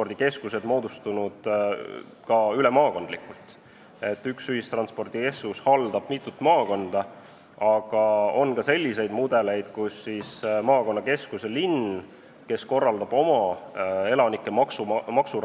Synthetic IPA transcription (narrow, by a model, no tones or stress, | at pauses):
ord̪̥ike̞skuse̞d̪mo̞ːd̪̥ust̪unud̪̥ | kɑylemɑːko̞nd̪likːˑult̪ˑ | e̞t̪ːˑyksyhist̪rɑnspo̞rd̪̥ike̞skushɑld̪̥ɑb̥mit̪ːˑut̪ːˑmɑːkond̪̥ɑ | ɑɡ̥ɑo̞nkɑse̞lʲːise̞jd̪mud̪̥e̞le̞jd̪̥kusːismɑːko̞nːɑke̞skuselin | ke̞sko̞rːɑld̪̥ɑb̥o̞mɑe̞lɑnikːˑemɑksumɑksu